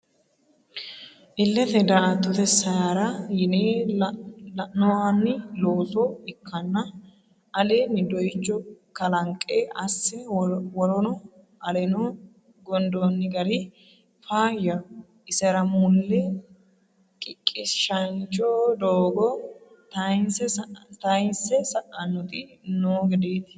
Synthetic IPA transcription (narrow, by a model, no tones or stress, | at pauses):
ʔɪlːɛt̪ɛd̪ɐʔɐt̪ːʊt̪ɛsːɐjaːɾɐjɪneː | nɔwanːɪloːsɔɪkʰːɐnːɐ | ʔɐleːnːɪd̪ɔjt͡ʃːɔkɐlɐŋkʼːeːʔɐsːɛwɔɾɔnɔ | ɐlɛnɔ | ɡɔnd̪onːɪɡɐɾɪ | faːjɐ | ʔɪsɛɾɐmʊlːɛ | kʼɪkʼːɪsʃɐnt͡ʃːɔd̪oːɡɔ | t̪ɐjnsɛt̪ɐjnsɛsɐʔɐnːɔt̪ʼɪnoːɡɛd̪eːd̪ɐ